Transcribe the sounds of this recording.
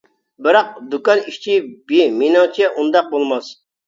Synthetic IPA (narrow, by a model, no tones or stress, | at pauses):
bɪɾɑq̚d̪ukɑniʃt͡ʃʰibiminɑt͡ʃʰɛʔund̪ɑq̚bolˠmɑs